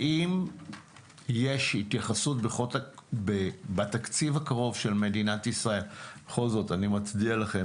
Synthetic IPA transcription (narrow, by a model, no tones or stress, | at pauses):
ʔim | jeʃit̪jaχasutbeχotbebatakt͡sivhakaʁo̞vʃe̞lme̞dinatisʁae̞lbeχo̞lzo̞tanimat͡sdialaχe